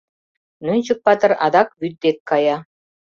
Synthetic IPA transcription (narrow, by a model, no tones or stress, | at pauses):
nynʲt͡ɕə̆k̚pɑt̪ɤ̆ɾɑd̪ɑkβyt̪̚ːet̪̚kɑjɑ